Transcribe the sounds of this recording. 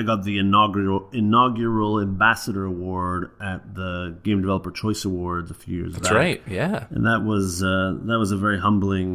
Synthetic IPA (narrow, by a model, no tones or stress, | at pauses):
ɪɡɑt̪̚ðiɨnɡɪnɑɡjə˞l̩ˠæ̃mbæsəɾə˞əwɔɹɾɨt̪̚ðəɡ̥ẽɪ̃mdɨvɛlˠəpə˞t͡ʃʰɔɪsəwɔɹdd̪̚ðəfjʉjɪ̰ɹzbɹaɪt̚jæɨ̰̃nðəʔ̚wʌzʌðət̚wʌzəvɛɹiɦʌ̃mbl̩ˠɪ̃ŋ